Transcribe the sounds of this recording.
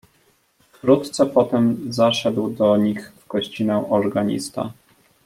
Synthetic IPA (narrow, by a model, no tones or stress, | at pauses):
fkɾut̪t̪sɛpɔt̪ɛmzaʂɛd̪wd̪ɔɲixvɡɔɕt͡ɕinɛw̃ʔɔɾɡaɲḭst̪a̰